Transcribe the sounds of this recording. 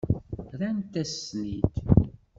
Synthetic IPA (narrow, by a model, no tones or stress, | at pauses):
ɾænt̪ːæsnit̪